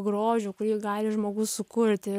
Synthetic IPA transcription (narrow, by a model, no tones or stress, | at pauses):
ɡɾoːʒʲuːkʊɾʲiːɡɑːlʲɪʒmoːɡʊssʊkʊɾʲt̪ʲɪ